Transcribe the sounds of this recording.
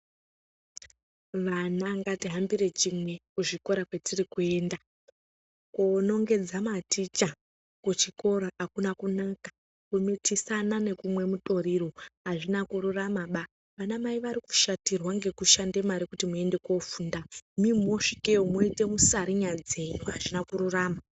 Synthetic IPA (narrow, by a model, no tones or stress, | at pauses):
ʋanaŋɡatiɦambire̞t͡ʃimwe̞kuʐiko̞ɾakwetirikue̞ːnda | kono̞ŋɡe̞d͡zamatit͡ʃa | kut͡ʃiko̞ɾaakunakunakḁ | kumitisanane̞kumwe̞mutʼo̞ɾiroɦaʐinakuɾuramaɓa | ʋanamaiʋaɾiku̥ʃatirwaŋɡe̞kuʃande̞maɾikutimue̞nde̞kofuːndamimoʂikeomoite̞musaɾiɲad͡ze̞joɦaʐinakuɾuraːma